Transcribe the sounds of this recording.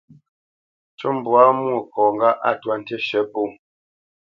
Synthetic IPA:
t͡ʃo˦m̩˨bwa˦mwu˦˨kɔ˨ŋɡa˦ʔa̰˦˨twa˦˨n̩˦te˦ʃɛ˨˦po˦˨

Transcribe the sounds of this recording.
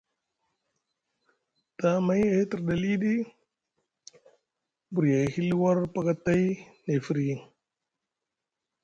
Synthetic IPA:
ta˦ma˦je˦ti˨ɾda˨li˦di˦ | bu˨ɾja˨hi˦li˦wa˦ɾpa˦ka˦ta˦jne˨fi˦ɾji˨ŋ

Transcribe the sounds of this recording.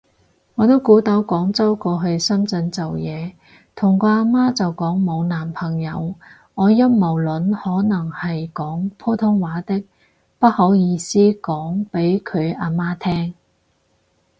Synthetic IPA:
ŋɔː˨˧t̪o˥wkuː˨˥t̪ɐ˨˥wkɔː˨˥ŋt͡sɐ˥wkɔː˧ɦɵ˧ɥsɐ˥mt͡sɵ˧nt͡sɐ˨wjɛː˨˧ | t̪ʰʊ˨˩ŋkɔː˧aː˧maː˥t͡sɐ˨wkɔː˨˥ŋmo˨˧wnaː˨˩mpʰɐ˨˩ŋjɐ̰˨˧w | ŋɔː˨˧jɐ˥nmɐ˨˩wlɵ˨˥nhɔː˨˥nɐ˨˩ŋhɐ˨jkɔː˨˥ŋpʰoː˥t̪ʰʊ˥ŋwaː˨˥t̪ɪ˥k̚ | pɐ˥t̚ho˨˥wjiː˧siː˥kɔː˨˥ŋpe˨˥jkʰɵ˨˧ɥaː˧maː˥t̪ʰɛː˥ŋ

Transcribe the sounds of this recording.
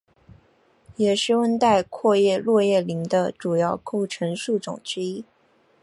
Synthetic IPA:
jɛ˨˩ʂɻ̩˥˩wə˥nt̪a˥˧ɪkʰwɔ˥˧jɛ˥˧lwɔ˥˧jɛ˥˩li˧˥ŋd̪ə˧ʈ͡ʂu˨˩jɑ˥˩ʊko˥˩ʊʈ͡ʂʰɤ˧˥ŋʂu˥˩ʈ͡ʂʊ̰˨˩ŋʈ͡ʂɻ̩˥i˥

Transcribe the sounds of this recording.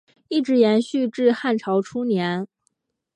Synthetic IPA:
i˥˩ʈ͡ʂɻ̩˧˥jɛ˧˥nɕy˥˧ʈ͡ʂɻ̩˥˧xa˥˩nʈ͡ʂʰɑ˧˥ʊʈ͡ʂʰu˥njɛ˧˥n

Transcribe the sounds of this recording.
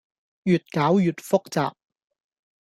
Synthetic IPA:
jyː˨t̚kaː˨˥wjyː˨t̚fʊ˥k̚t͡sa̰ː˨p̚

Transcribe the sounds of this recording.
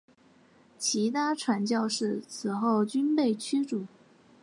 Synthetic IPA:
t͡ɕʰi˧˥t̪ʰa˥ʈ͡ʂʰwa˧˥nt͡ɕjɑ˥˧ʊʂɻ̩˥˩t͡sʰɹ̩˨˩xo˥˩ʊt͡ɕy˥npe˥˩ɪt͡ɕʰy˥ʈ͡ʂu˨˩˦

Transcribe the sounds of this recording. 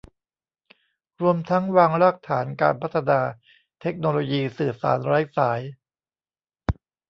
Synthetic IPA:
ɾu˧əmt̪ʰa˦˥ŋwaː˧ŋɾaː˥˩k̚t̪ʰaː˩˦nka̰ː˧npʰa˦˥t̪ʰa˧naː˧ | t̪ʰe˦˥k̚noː˧loː˧jiː˧sɯː˨˩sa̰ː˩˦nɾa˦˥jsaː˩˦j

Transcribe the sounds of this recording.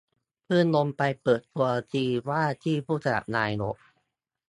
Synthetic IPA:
pʰɯː˥˩˨nlo˧mpa˧jpɤː˨˩t̪ːu˧ɐt̪iː˧waː˥˩t̪ʰiː˥˩pʰuː˥˩sa˧da̰˨˩p̚naː˧jno̰˨˩˦ʔ̚

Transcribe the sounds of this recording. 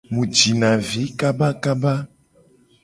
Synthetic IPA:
mũ˨d͡ʒi˨nã˨vi˨˦ka˦ba˦ka˦ba˦

